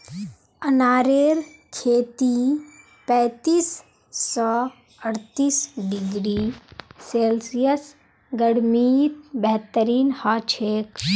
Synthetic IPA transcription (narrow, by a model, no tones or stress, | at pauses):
ənaːɾeːɾkʰeːt̪i | pɛ̃ːt̪iːsː | ɔː | əɽt̪iːsɖɪɡɾiːseːlsijəs | ɡəɽmiːt̪bɛɦt̪əɾiːnhaːt͡ʃʰeːk